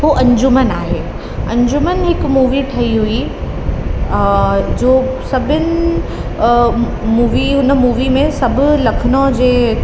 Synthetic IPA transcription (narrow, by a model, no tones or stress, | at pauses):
ɦoːʔɐ̃ɲd͡ʑʊmənaːɦeː | ɐ̃ɲd͡ʑʊmənɦɪkmuːʋiʈʰɐiɦui | d͡ʑoːsɐbʱɪnɪ̆ | muːʋiɦʊn̆muːʋimẽsɐbʱʊ̆lɐkʰənõd͡ʑeː